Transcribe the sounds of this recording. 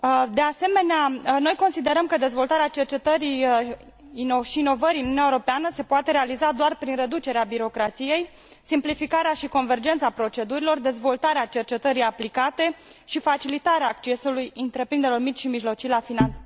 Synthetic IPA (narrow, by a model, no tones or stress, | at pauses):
d̪ease̞me̞neano̞jko̞nsid̪e̞ɾəmkəd̪e̞zvo̞lt̪aɾeat͡ʃe̞rt͡ʃe̞t̪əɾij | inoʃiːno̞vəɾiɨnunuaeoɾopeanəse̞poat̪e̞ɾealizad̪oarpɾinre̞d̪ut͡ʃe̞ɾeabiɾo̞kɾat̪sije̞j | simplifikaɾeaʃiko̞nve̞rd͡ʒe̞nt̪sapɾo̞t͡ʃe̞d̪uɾilo̞rd̪e̞zvo̞lt̪aɾeat͡ʃe̞rt͡ʃe̞t̪əɾijaplikat̪e̞ʃifat͡ʃilit̪aɾeaːkt͡ʃe̞sulujɨnt̪ɾe̞pɾind̪eɾelormit͡ʃʲʃimiʒlo̞t͡ʃilafinal